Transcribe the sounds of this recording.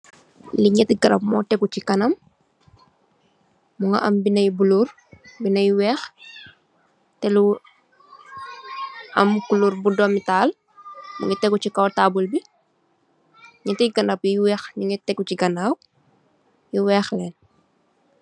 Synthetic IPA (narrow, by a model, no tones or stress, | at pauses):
liɲɛtɡɐɾɐ̰pmɔtɛkut͡ʃikɐnɐm | uŋɡɐ̰ʔɐmbinɐjbulur | binɐjwɛːx | tɛlu | ʔɐ̰mkulurbudɔmitaːl | mṵŋɡɐtɛɡut͡ʃikɐwtaːbulbi | ɲɛtijɡɐnapjijwɛːxliŋɛtɛkːuciɡɐnaːw̚ | jiwɛːxlɛːn